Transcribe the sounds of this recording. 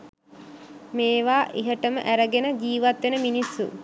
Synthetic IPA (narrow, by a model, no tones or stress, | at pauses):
meːʋaːʔiɦəʈəmə̰ʔæɾəɡenəd͡ʒiːʋat̪ʋenəminisːṵ